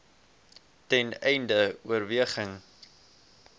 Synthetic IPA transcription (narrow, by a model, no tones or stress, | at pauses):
tɛnɛjndəuərviəχəŋ